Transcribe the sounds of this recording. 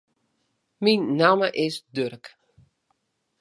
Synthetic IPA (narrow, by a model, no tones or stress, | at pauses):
minːaməʔɪsdørk